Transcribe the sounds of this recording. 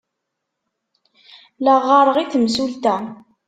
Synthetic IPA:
ləʁːɑɾˤəʁiθəmsult̪æ

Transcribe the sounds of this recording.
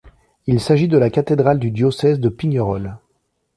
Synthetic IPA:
ilsaʒid̪əlakat̪ed̪ʁald̪yd̪jɔsɛzd̪əpiɲɔʁɔl

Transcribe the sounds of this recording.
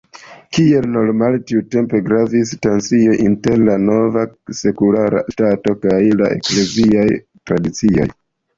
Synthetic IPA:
kie̞lnoɾmaltiute̞mpe̞ɡɾavis̬tansio̞ʔinte̞ɾlano̞vase̞kulaɾa̰stato̞kajlaʔe̞̰kle̞ziaj | tɾadit͡sio̞̰j

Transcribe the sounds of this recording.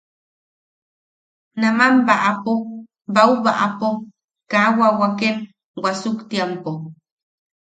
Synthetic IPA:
namambaʔapo | bawβaʔapo | kawawaken | wasukt̪jempo

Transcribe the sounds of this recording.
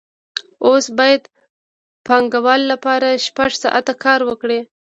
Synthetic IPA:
osbɑjad̪ | pɑŋɡawɑlːapɑɾaʃpaʐsɑ̰ʔat̪akʰɑɾwəkɽe

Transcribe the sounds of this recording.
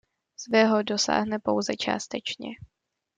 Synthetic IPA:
svɛɦodo̞sa̰ːɦnɛpo̞wzɛt͡ʃa̰ːst̪ɛt͡ʃɲɛ̰

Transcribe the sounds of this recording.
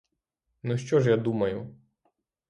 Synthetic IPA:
nuʃt͡ʃɔʒjad̪umɐjʊ

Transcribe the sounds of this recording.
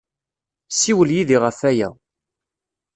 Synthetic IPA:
siwəljiðiʁəfæjæ̰

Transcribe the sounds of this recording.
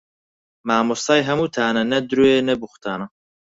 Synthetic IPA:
maːmust̪ɑːjɦɐmuːt̪ʰaːnɐnɐd̪ɾueːnɐbuxʷt̪ʰaːnɐ

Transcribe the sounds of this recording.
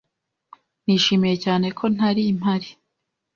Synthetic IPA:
n̥iːʃiːmije̞caːne̞kʰo̞n̥aɾiːm̥haɾi

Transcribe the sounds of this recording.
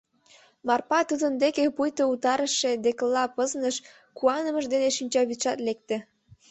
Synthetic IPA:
mɑrpɑt̪ud̪ənd̪ekepujt̪out̪ɑɾəʃed̪eklːɑpəznəʃ | kuɑnə̆məʒd̪eneʃinʲt͡ɕɑβiʃɑt̪lek̚t̪ĕ

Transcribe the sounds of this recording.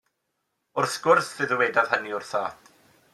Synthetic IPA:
ʊrθɡ̥ʊrθðɨðəwɛdað̥həniʊrθaːt

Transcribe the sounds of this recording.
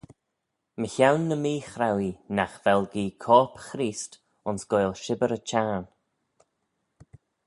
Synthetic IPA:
məçawnːəmiːxɾawinaxv̥ɛlɡiːkʰɔːpxɾiːst | ʊnsɡ̥ojlʃɪbəɾət͡ʃʰaːn

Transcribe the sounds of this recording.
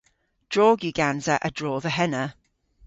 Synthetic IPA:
d̥ɹɔːɡjiɡãnzəʔədɹɔːðəɦɛnə

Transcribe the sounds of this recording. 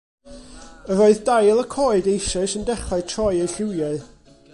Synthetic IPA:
əɾoɨðdajlˠəkʰɔːɨdejʃɔsəndɛχaɨtʰrɔjejɬɪwjaɨ

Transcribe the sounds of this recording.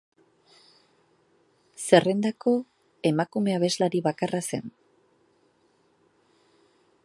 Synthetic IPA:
se̞re̞nd̪ako̞ | e̞makume̞aβ̞e̞zlaɾiβakarase̞̰n

